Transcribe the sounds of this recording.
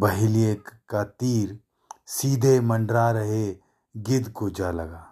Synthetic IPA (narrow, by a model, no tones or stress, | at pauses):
bəɦɪliekkat̪iːɾ | siːd̪ʱemə̃ɳɖɾaɾəɦe | ɡɪd̪kod͡ʒalɐɡaː